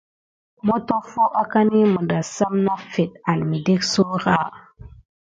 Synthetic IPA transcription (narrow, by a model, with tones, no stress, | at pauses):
mo˦to˦fo˦ʔa˦ka˦ni˦mə˨da˨sa˦mna˦fe˨t̚a˨lmi˨de˦kso˦ɾa˦